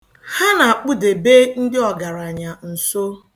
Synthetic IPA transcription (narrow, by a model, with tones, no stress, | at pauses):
ha˦na˨a˨k͡pʊ˦de˨be˦n̩˦dɪ˦ɔ˨ɡa˨ɾa˨ɲa˨n̩˨so˦